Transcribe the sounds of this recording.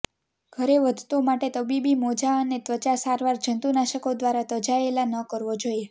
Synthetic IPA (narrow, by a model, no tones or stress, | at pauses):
ɡ̥ʱəɾeʋəd̪ʱt̪omaʈet̪əbibimod͡ʒaənet̪ʋət͡ʃasaɾʋaɾd͡ʒənt̪unaʃəkod̪ʋaɾat̪əd͡ʒaelanəkəɾʋod͡ʒoie